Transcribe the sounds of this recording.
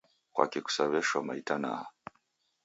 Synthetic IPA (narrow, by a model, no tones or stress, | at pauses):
kwa̰kɛku̥saβɛʃamaitana̰ha